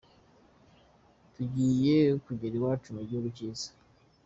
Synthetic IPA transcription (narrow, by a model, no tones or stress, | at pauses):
tuɟiːjekuɟeɾiwaːt͡ʃumoɾɟoːɾuciːzḁ